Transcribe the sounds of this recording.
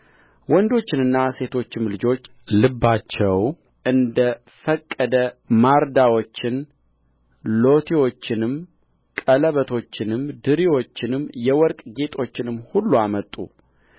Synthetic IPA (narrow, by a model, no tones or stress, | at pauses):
wɔnd̪o̞t͡ʃːɪnɨnːase̞t̪ʰo̞t͡ʃːɪmlɨd͡ʒo̞t͡ʃː | lɨbːat͡ʃːɛw | ʔɨnd̪ə | fəkʼːəd̪əmaɾd̪awo̞t͡ʃːɪn | lo̞t̪ʰiwo̞t͡ʃːɪnɨm | kʼələβət̪ʰo̞t͡ʃːɪnɨmd̪ɨɾiwo̞t͡ʃːɪnɨmːjɛwɔɾkʼɡe̞t̪ʰʼo̞t͡ʃːɪnɨmːhulːuamət̪ʼːṵ